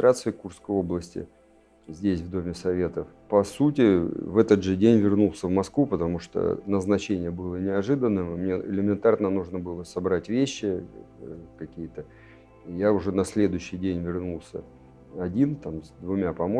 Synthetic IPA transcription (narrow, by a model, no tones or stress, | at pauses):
t̪ɾat̪sɨɪkursskəjo̞blˠəsʲtʲɪ̰ | zʲdʲesʲvd̪o̞mʲɪsɐvʲe̞t̪əf | pɐsutʲɪvɛt̪ət̪ʐɨdʲenʲvʲɪrnulˠsʲəvmɐskvupət̪ɐmuʂt̪o̰nəznɐt͡ɕenʲɪjəbɨlˠənʲɪɐʐɨd̪ənːɨmmnʲeɪ̰lʲɪmʲɪnt̪arnənuʐnəbɨlˠəsɐbɾatʲvʲeɕːɪ | kɐkʲijət̪ə | ijaʊʐɛnɐsʲlʲe̞d̪ʊjɕːɪjdʲenʲvʲɪrnulˠsʲə̰ | ɐdʲint̪amzd̪vʊmʲapɐmo